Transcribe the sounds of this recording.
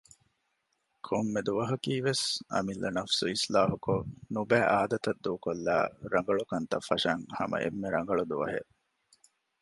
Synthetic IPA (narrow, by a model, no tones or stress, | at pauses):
kʰomːed̪uʋɐɦɐkiːʋesɐ̰milːɐnɐfsuislaːɦukonubæːʔaːd̪ɐt̪ɐd̪ːuːkolːa̰ːɾɐŋ̆ɡɐɭukɐnt̪ɐfːɐʃɐŋhɐ̰mɐ̰ʔḛmːeɾɐŋ̆ɡɐɭud̪uʋɐɦḛ